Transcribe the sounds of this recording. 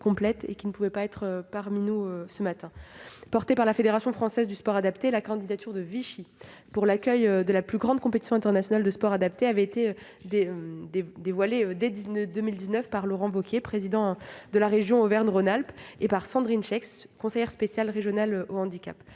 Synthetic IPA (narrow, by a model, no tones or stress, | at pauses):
kɔ̃plɛt̪ḛkʲinəpuvɛpaɛt̪χøpaʁminuøsəmat̪ɛ̃pɔʁt̪epaʁlafed̪eʁasjɔ̃fχɑ̃sɛzd̪yspɔʁad̪apt̪elakɑ̃d̪id̪at̪yʁd̪əviʃipuʁlakʲœjød̪əlaplyɡʁɑ̃d̪̚kɔ̃pet̪i̥sjɔ̃ɛ̃t̪ɛʁnasjɔnald̪əspɔʁad̪ap̚t̪eavɛet̪e | d̪eød̪ed̪evwaleød̪ɛd̪əd̪əmild̪iznœfpaʁlɔʁɑ̃vokʲjepχezid̪ɑ̃d̪əlaʁeʒjɔ̃ovɛʁnʁonalpepaʁsɑ̃d̪ʁinʃɛks | kɔ̃sejɛʁspesjalʁeʒjɔnaløoɑ̃d̪ikʲa̰p